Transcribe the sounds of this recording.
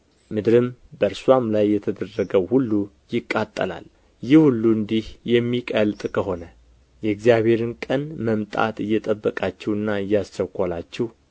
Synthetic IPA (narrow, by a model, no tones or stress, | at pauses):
mɨd̪ɾɨmbəɾswamlajːɛt̪ʰəd̪ərːəɡəwhulːu | jɪkʼːat̪ʼːə̰la̰l | jɪhulːuɨnd̪ihjɛmːikʼəlt̪ʼkʰəɦo̞nə | jɛɡzijaβhe̞ɾɨnkʼənməmt̪ʼa̰t̪ɨjːɛt̪ʼəbːəkʼat͡ʃːɛwɨnːaɨjːast͡ʃ̪əkʷːalat͡ʃːɛh